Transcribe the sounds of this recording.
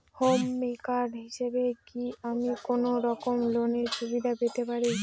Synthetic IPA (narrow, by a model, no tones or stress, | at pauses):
homːikaɾɦiʃebekiamikonoɾɔkomloneɾʃubid̪ʱapet̪epaɾi